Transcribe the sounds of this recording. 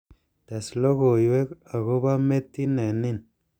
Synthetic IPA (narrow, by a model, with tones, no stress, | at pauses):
t̪a˨slo˦ɣo˨jwe˦ka˨ɣo˦ba˦me˦t̪ːi˦ne˨ni˦˨n